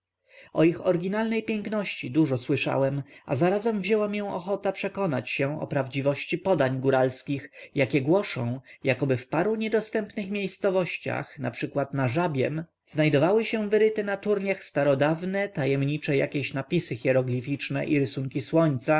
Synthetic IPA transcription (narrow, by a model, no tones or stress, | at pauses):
ɔixɔɾɡʲinalnɛjpʲjɛŋknɔɕt͡ɕid̪uʐɔswɘʂa̰wɛmazaɾazɛmvʑɛwamjɛw̃ɔxɔt̪apʂɛkɔnat͡ɕɕɛɔ̰pɾavd͡ʑivɔɕt͡ɕipɔd̪aɲɡuɾalskʲixjakʲɛɡwɔʂɔ̰̃w̃jakɔbɘfpaɾuɲɛd̪ɔst̪ɛmpnɘxmʲjejst̪sɔvɔɕt͡ɕa̰xna̰pʂɘkwat̪naʐabʲjɛm | znajd̪ɔvawɘɕɛvɘɾɘt̪ɘnat̪uɾɲaxst̪aɾɔd̪avnɛt̪ajɛmɲit͡ʂɛja̰kʲeɕnapʲisɘxʲjɛɾɔɡlʲifʲit͡ʂnɛʔiɾɘsuŋkʲiswɔɲt̪sa